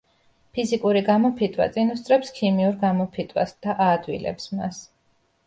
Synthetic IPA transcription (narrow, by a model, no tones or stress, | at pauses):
pʰizikʼuɾiɡamɔpʰit̪ʼwa̰t̪sʼinust̪ʼɾɛpskʰimiuɾɡamɔpʰit̪ʼwa̰sd̪̥aʔaːd̪wḭlɛ̰psma̰s